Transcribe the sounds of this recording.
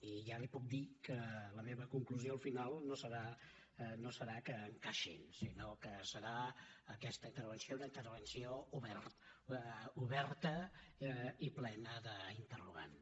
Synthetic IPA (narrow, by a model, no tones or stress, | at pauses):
iʒalipuk̚d̪ikələmeβəkuŋkluzioəlˠfinalˠnosəɾa | nosəɾakəːŋkaʃḭnsinokəsəɾaəkɛst̪əint̪əɾβənsiounəint̪ərβənsiouβɛɾt̪ | uβɛɾt̪ə | iplɛnəðəint̪əruɣa̰n